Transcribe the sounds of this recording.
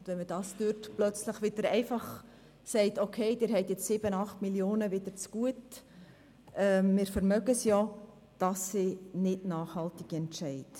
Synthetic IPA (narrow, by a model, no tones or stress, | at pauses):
dvʋɛnməd̥ɑːstøɾtplœt͡sləχʋɪd̥əɾɛɪfɑχ | sɛɪtokʰeɪd̥ɪːɾɦɛɪtjɛt͡ssɪbənɑχtmiljoːnəʋɪd̥əɾt͡sɡ̥uət | ɛmɪːɾfɛɾmœɡəsjɔ | d̥ɑsːɪnɪtnɑːχhɑltiɡ̥iɛntʃɛɪt